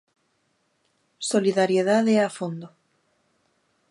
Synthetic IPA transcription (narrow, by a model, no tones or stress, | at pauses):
soliðaɾjeðaðeafond̪o